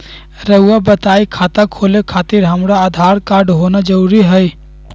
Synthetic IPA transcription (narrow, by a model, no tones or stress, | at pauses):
ɾəuabət̪aːikʰaːt̪akʰoːlekʰaːt̪ɪɾɦɐmɾaad̪ʱaːɾkaːɾɖɦoːnad͡ʒəɾuːɾiɦɛj